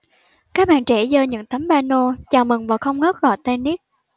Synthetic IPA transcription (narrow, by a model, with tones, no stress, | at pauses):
kaː˦˥k̚ɓa̰ː˧˨nt͡ɕɛ˧˩zəː˧ɲɨ̰˧˥ŋt̪ə˨˦mɓaː˧no˧t͡ɕaː˨˩wmɨ˨˩ŋvaː˨˩xə˧wŋ͡mŋɔ˦˥t̚ɣɔ̰˧˨jt̪e˧ni˦˥k̚